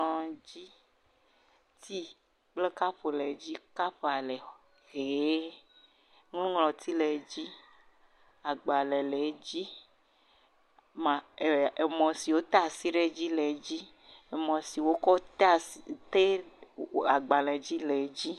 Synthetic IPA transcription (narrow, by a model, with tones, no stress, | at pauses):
ɔ̃˨d͡ʑi˦ | t̪i˦ | k͡ple˦ka˦ɸo˨le˨˦d͡ʑi˦ka˦ɸa˨lɛ˨ | ɣee˨˦ | ŋlũ˦ŋlɔ̃˨t̪i˦le˨˦d͡ʑi˦ | a˨ɡ͡ba˨lɛ˨lɛ˨˦d͡ʑi˦ | mã˨e˨mɔ̃˨si˨wo˦t̪a˨si˦ɖe˦d͡ʑi˦lɛ˨˦d͡ʑi˦ | e˨mɔ̃˨si˨wo˦kɔ˦t̪t̪e˦˨ | a˨ɡ͡ba˨lɛ̃˨d͡ʑi˦lɛ˨˦d͡ʑi˦